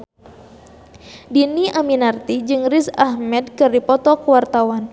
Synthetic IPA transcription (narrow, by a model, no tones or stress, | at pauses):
diniʔaminart̪id͡ʒɨŋrisahmɛd̚kɨrdipɔt̪ɔkəwart̪awan